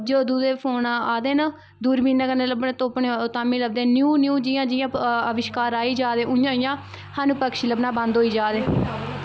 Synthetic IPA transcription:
d͡ʒoːd̪uːd̪eːpʰoːnaːd̪eːna | d̪uːɾbiːnakəneːləbnãːt̪oːpɳeot̪aːmĩːləbd̪ẽːnjuːnjuːd͡ʒɪjãːd͡ʒɪjãːəʋɪʃkaːɾaːiːd͡ʒaːd̪ẽːʊjãːɪjãː | haːnũːpəkʃiləbnãːbə̃nd̪ɦoːiːd͡ʒaːd̪ẽː

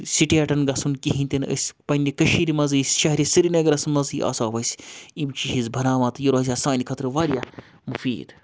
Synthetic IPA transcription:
siʈeːʈɐnɡɐsunkiɦĩnʲt̪ʲinə̰sʲpɐnʲdʲikɐʃiːɾimɐzisʲʃɐɦɾʲisɨɾinɐɡɐɾɐsmɐzɨjʔa̰ːsaːʋɐsʲimt͡ʃiɦizbʱɐnaːʋaːt̪jiɾaːzʲaːsaːnʲikʰɐt̪ɾɨʋaːɾija | mufḭːd̪

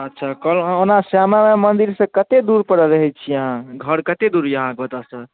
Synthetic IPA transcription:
ətːʃʰakəlonasjamamemənd̪iɾsə̃kət̪ed̪uɾpəɽəɾəɦɛt͡ʃʰijəɦãɡʱəɾkət̪ed̪uɾjəɦãk̚bət̪asə

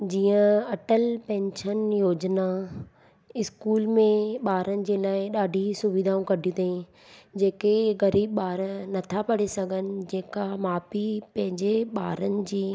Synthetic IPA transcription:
d͡ʑiːə̃ɐʈəlpɛ̃ːnʃənjoːd͡ʑna | ɪskuːlmẽɓaːɾənɪ̆d͡ʑeːlaːɪɗaːɖʱisʊʋid̪ʱaːũkɐɖʱijũt̪ʰɐĩ | d͡ʑeːkeɣɐɾiːbɓaːɾnɐt̪ʰapɐɽesɐɡʱənɪ̆d͡ʑeːkamaːpipɐ̃ɦɪ̃ɲd͡ʑeɓaːɾənɪ̆d͡ʑiː

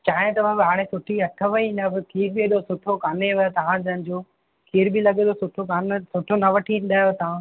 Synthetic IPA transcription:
t͡ɕaːɦɪ̃t̪ɐʋ̤ãbɪɦaːɽ̃esʊʈʰiɐʈʰəʋɐinɐʋkʰiːɾbieɗosʊʈʰokaːneʋɐt̪ɐʋ̤ãd͡ʑɐnɪ̆d͡ʑoː | kʰiːɾbilɐɠed̪osʊʈʰokaːnsʊʈʰonɐʋɐʈʰĩn̆d̪aːjot̪ɐʋ̤ã

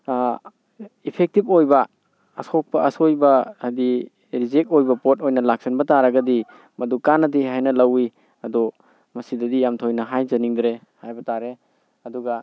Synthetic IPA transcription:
ipʰek̚tip̚ojbɐː | sok̚pɐɐsojbɐajdi | ɾizek̚ojbɐpot̚ojnɐlak̚sinbɐtaɾɐɡɐdi | mɐdukanɐdiɦajnɐlɐwi | ɐdɔ | mɐsidɐdijamtʰojnɐɦajzɐniŋdɾe | hajbɐtaɾe | ɐduɡɐ

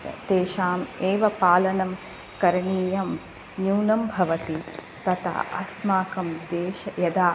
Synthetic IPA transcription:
t̪eːʃaːmeːʋɐpaːlɐnɐm | kɐɾɐɳiːjɐm | juːnɐmbʱɐʋɐt̪i | t̪ɐt̪ɐ̰ɐ̰smaːkɐmd̪eːʃɐjɐd̪aː

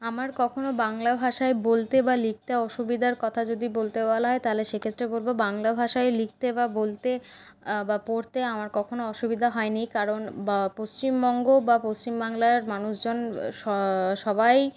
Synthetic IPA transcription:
amaɾkɔkʰonobaŋlabʱaʃaebolt̪ebalik̚t̪eɔʃubid̪ʱaɾkɔt̪ʰad͡ʑod̪ibolt̪ebalaɦɔet̪aɦoleʃekʰet̪ːɾebolbobaŋlabʱaʃaelik̚t̪ebabolt̪e | bapoɾt̪eamaɾkɔkʰonoɔʃubid̪ʱaɦɔenikaɾonbapost͡ɕimbɔŋɡobapost͡ɕimbaŋlaɾmanuʃd͡ʑonʃɔʃɔbaj

